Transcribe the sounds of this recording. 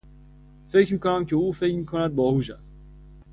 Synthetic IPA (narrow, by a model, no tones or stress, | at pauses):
fe̞cʰɾmiːkonæmcʰeuːfe̞cmiːkʰonæd̪̚bɒːhuːʃæst̪